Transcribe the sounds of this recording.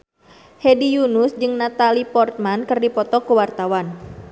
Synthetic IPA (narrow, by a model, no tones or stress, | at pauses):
hedijunʊsd͡ʒɨŋnat̪alipɔrt̪̚mankɨrdipɔt̪ɔkəwart̪awan